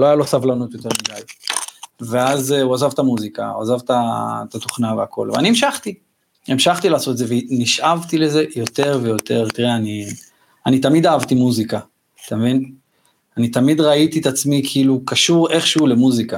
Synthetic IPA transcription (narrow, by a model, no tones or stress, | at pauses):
loajalosavlanot̪jo̞t̪e̞ʁmid̪aj | veazuazavt̪amuzika̰ua̰zavt̪at̪at̪oχnaveakʰo̞̰lveaniimʃaχt̪i | emʃaχt̪ilaːso̞t̪ezeveniʃʔavt̪ile̞ze̞jo̞te̞ʁve̞jo̞t̪eʁt̪iʁeani | anit̪amid̪aavt̪imuzika | t̪amevin | anit̪amid̪ʁait̪iet̪at͡smikʰiilukaʃuʁe̞χʃeule̞muzika